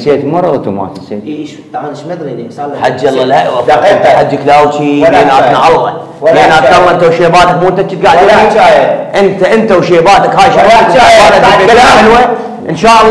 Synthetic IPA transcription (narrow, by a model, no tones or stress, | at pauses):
seːt̪mɑrˤːɑt̪uma̰ːt̪sḛːt̪ | ħad͡ʒːɑlːalhaʔwafat̪aħad͡ʒːaklaːwt͡ʃibeːnat̪naʕɑlɣɑ | beːnʔat̪ʕɑlːɑʔɪnt̪awʃeːbaːt̪akmuːnt̪at͡ʃːit̪̚ɡaʕɪd̪ia | ʔɪnt̪aʔɪnt̪awʃeːbaːt̪akhaːjʃaaaːnaeħɪlwa | ʔɪnʃaːʔɑlˤː